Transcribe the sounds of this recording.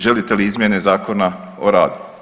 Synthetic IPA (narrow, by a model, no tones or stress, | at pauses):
ʒe̞lit̪e̞liizmʲjene̞zaːkona | oɾa̰ːd̪u̥